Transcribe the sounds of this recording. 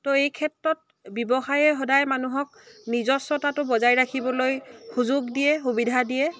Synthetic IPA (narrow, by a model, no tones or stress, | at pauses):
tɔejkʰɛtɹɔt̚ | bɔbɔxajɛɦɔdajmanuɦɔk̚nizɔsɔtatʊbɔzajɹakʰibɔlojxuzʊɡdijɛxubidʱadijɛ